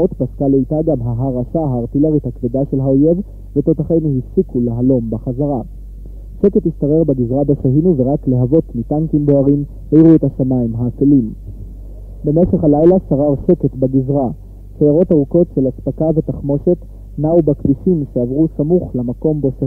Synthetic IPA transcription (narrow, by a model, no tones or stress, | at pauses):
ot̪paskaleitaɡamɦaɦaʁaʃaɦaːʁt̪ileʁithakvedaʃe̞lɦao̞je̞v | ve̞t̪ot̪aχejnhifsikuleɦalo̞mbeχazaʁa | ʃe̞ke̞t̪hist̪aʁeʁbeɡizʁabaʃaɦinuve̞ʁakle̞ɦavo̞tmitaŋkimboaʁim | hejʁuet̪haʃamaimɦaːfelim | be̞me̞ʃeχhalajlasaʁaʁʃe̞ke̞tbaɡizʁa | ʃejaʁo̞taʁuko̞tʃe̞laspakave̞t̪aχmo̞ʃe̞t̪ | naubakviʃimʃeavʁusamuχlamako̞mbo̞sa